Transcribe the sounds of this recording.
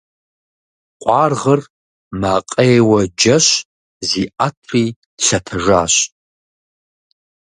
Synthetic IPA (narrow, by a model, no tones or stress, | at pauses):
qʷʼɑːrʁər | maːqʼeːwɐd͡ʒɐɕ | ziʔatʰri̥ː | ɬɐtʰɐʒaːɕ